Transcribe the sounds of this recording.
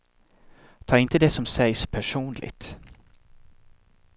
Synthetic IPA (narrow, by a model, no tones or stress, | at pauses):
t̪ʰɑːɾɪnt̪əd̪ɛsɔmsɛjspʰæʂuːnlɪ̰ɡ̚t̪